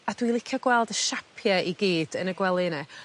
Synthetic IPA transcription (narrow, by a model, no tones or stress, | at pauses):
ad̥wilˠɪkʰjɔɡwɛlˠdəʃapʰjɛʔiɡiːd̥ənəɡwɛlˠɪnɛ